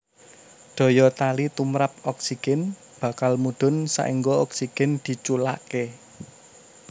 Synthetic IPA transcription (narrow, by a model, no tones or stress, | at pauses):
ɖ̪̥ɔ̤jɔt̪alit̪umɾap̚ɔksiɡ̥ɛn | b̥a̤kalmuɖ̪̥ʊ̤nsa̰ʔiŋɡɔɔksiɡ̥ɛnd̪̥i̤t͡ʃula̰ʔke